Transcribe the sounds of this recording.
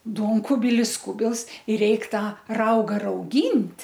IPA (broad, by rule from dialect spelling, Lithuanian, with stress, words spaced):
ˈduɔŋkʊbʲɪlʲɪs ˈkʊbʲɪlˠs ɪr ˈrʲɛɪk ˈtɑː ˈrɐʊɡɐ rɐʊˈɡʲiːnʲtʲ